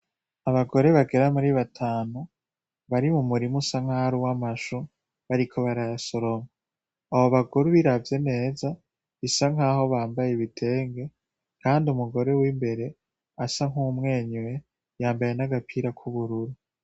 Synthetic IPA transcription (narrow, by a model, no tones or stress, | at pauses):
aβaɡo̞ɾe̞βaɡe̞ɾamuɾiβatʰaːnu | βaɾimumuɾimusaŋ̥haɾuwamaʃu | βaɾikʰo̞βaɾajaso̞ɾo̞ma | aβoβakuɾuβiɾavje̞ne̞ːza | βisaŋ̥aɦo̞βaːmbajeβitʰe̞ːŋɡe̞ | kʰaːndiumuɡo̞ɾe̞wiːmbe̞ɾe̞ | asaŋ̥umŋe̞ːɲwe | jaːmbaje̞naɡapʰiːɾakʰuβuɾuɾu